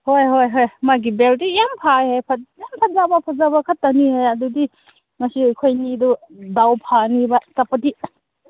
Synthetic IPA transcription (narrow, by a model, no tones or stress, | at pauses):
hojɦojɦojmaɡibeltijampʰahejpʰajampʰazabɐpʰazabɐkʰɐtːanihejɐdudi | ŋɐsiakʰojnidu | dawpʰanibɐt͡ʃapɐdi